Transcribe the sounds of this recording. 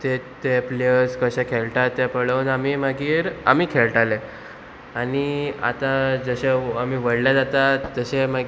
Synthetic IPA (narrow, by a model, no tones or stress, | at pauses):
t̪et̪epleəskəɕɛ̃kʰelʈat̪ːɛpəɭəwnamiːməɡiːɾa̰miːkʰeɭʈale | añia̰t̪ãd͡zəɕeamiːʋəɽljad͡zat̪aːəɕema